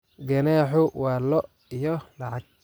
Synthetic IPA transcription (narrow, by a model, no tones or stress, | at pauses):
ɡɐnɛːħʊwaːlɔ | ijɔlɑʕɑɡ̚